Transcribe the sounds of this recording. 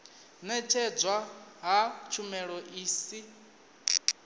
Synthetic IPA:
nɛt͡ʃʰɛd͡zwaɦat͡ʃʰumɛɺɔʔiːsi

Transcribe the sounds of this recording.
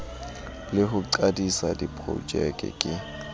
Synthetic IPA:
lɪɦʊǀadisadipʼro̰d͡ʒʼɛkʼɛ̰kʼɪ

